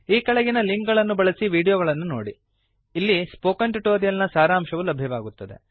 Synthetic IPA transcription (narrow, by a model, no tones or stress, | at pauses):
iːkɐɭɐɡinɐliŋkɡɐɭɐnːubɐɭɐsiʋiːɽijoːɡɐɭɐnːuno̰ːɽiː | lːispoːkɐɳʈuʈoːɾijɐlnɐsaːɾaːmʃɐʋulɐbʱjɐʋaːɡut̪ːɐd̪e̞̰